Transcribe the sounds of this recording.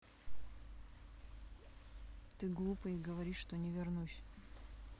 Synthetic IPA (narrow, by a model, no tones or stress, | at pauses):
t̪ɨɡlˠupəjiɡəvɐɾʲiʂt̪onʲɪvʲɪrnusʲ